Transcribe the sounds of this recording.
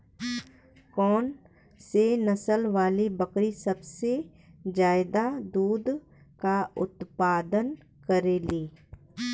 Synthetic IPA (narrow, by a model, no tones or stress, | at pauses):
kɔːn | senɐsəlʋaːlibəkɾisɐbse | d͡ʒaːɪd̪ad̪uːd̪ | kaʊt̪paːd̪ən | kəɾeːliː